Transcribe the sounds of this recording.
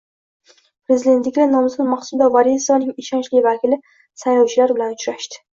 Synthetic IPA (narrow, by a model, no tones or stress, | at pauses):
pʰɾezid̪e̞nt̪lɪkʲlanɒmsɨlmɑχsuld̪avaɾjesɒnɪŋɪʃɒnt͡ʃlɪvakʲʰilɪ | sajlɒwt͡ʃʰɪlaɾbɪlanʊt͡ʃɾaʃt̪ɪ̥